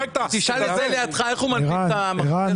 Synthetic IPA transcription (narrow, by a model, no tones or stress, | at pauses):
t̪t̪iʃalezelejat̪χaeχumaaamaʁa